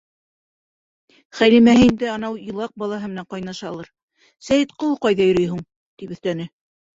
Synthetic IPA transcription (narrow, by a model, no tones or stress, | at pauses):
χæjlimæhɘind̪ɘɑnɑwĭlˠɑq̚bɑlˠɑɦɤmɘ̆næɴqɑjnɑʃɑlˠɤɾ | sæjɘt̪qŏlˠqɑjðɑjɵ̆ɾɵjɦuɴ | t̪ipɵ̆θt̪ænɘ